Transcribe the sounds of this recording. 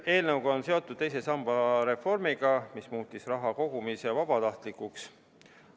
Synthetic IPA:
e̞ːlnɤwɡɑonse̞o̞t̪ːˑud̪̚t̪e̞js̬e̞sɑmb̥ɑɾe̞fo̞rmiɡ̥ɑmismuːt̪ːˑisrɑɦɑko̞ɡ̥umise̞vɑb̥ɑt̪ɑht̪likːˑuks

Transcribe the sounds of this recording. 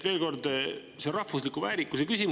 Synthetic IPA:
ve̞ːlko̞rd̪ | serɑhvuslikuvæːɾikːˑusekysʲim

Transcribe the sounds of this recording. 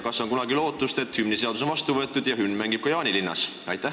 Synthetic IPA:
kɑsːo̞nkunɑɡilo̞ːt̪ːˑust̪e̞t̪hymnise̞ɑd̪us̬o̞nvɑst̪uvɤet̪ːˑud̪̥jɑɦynːmæŋɡib̥̚kɑjɑːnilinːɑ̰s | ɑjt̪ːˑæh

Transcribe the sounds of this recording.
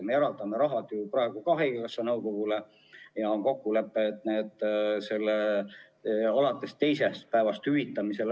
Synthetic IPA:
me̞eɾɑld̪ɑme̞ɾɑɦɑd̪jupɾɑe̞ɡ̥ukɑɦejkkɑsːɑnɤwko̞ɡ̥ule̞ | jɑonko̞kːule̞pːˑet̪neːd̪se̞lːe | ɑlɑt̪ːˑe̞st̪e̞jse̞st̪̚pæevɑst̪hyvit̪ːˑɑmise̞l

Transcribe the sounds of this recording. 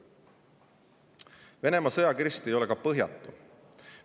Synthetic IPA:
ve̞ne̞mɑsɤjɑkiɾist̪ejo̞lɛkɑpɤɦjɑ̰t̪ˑːu

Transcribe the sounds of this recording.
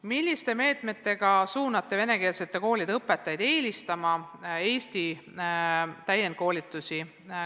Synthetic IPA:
milʲːist̪e̞me̞ːt̪me̞t̪ːˑe̞ɡ̥ɑsuːnɑt̪ːˑe̞ve̞ne̞ke̞ːlse̞t̪ːe̞ko̞ːlʲid̪ɤpːˑe̞t̪ːˑɑjd̪̥e̞ːlist̪ɑmɑe̞ːsʲt̪i | t̪æjːen̚ko̞ːlʲit̪ːˑusi

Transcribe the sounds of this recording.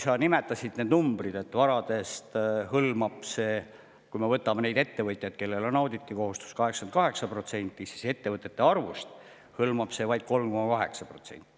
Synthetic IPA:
sɑnime̞t̪ːˑɑsʲid̪̥ne̞ːd̪numbrid̪̥e̞t̪ːvɑɾɑd̪̥e̞st̪hɤlmɑb̥se̞ː | kujmevɤt̪ːˑɑmene̞jd̪e̞t̪ːe̞vɤt̪ˑjɑd̪̥ke̞lːe̞lo̞nɑwd̪it̪ːiko̞ɦust̪u̥skɑɦeksɑnt̪kɑɦe̞ksɑpro̞t̪se̞nʲt̪ˑːisi̥se̞t̪ːe̞vɤt̪ːˑe̞t̪ːe̞ɑrvust̪ | hɤlmɑb̥se̞ːvɑjd̪̥̚ko̞lmko̞mɑkɑɦe̞ksɑpro̞t̪sḛnʲt̪ːˑi̥

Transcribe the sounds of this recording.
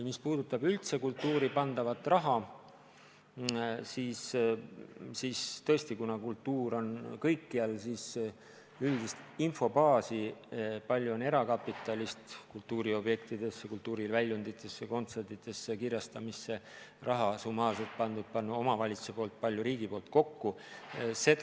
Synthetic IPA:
mispuːd̪̥ut̪ːˑɑbylt̪se̞kult̪ːˑuːɾipɑnd̪̥ɑvɑt̪ːˑrɑɦɑ | sis | siːst̪ɤ̞est̪ikunɑkult̪ːˑuːɾo̞nkɤjkːiɑlsis | yld̪ist̪info̞bɑːsipɑlʲjuo̞ne̞ɾɑkɑpːit̪ːˑɑlʲist̪kult̪ˑːuːɾio̞bje̞kt̪id̪̥e̞sːekult̪ːuːɾilvælʲjund̪it̪ːˑe̞sːeko̞nt̪se̞rd̪it̪ːˑe̞sːekirjɑst̪ɑmisːe̞ | rʔɑɦɑsumhɑːset̪̚pɑnd̪ud̪̚pɑnːuo̞mɑvɑlʲit̪su̥sepo̞ːlt̪̚pɑlʲjuɾiːɡ̥ipoːlt̪̚ko̞kːu | se̞t̪

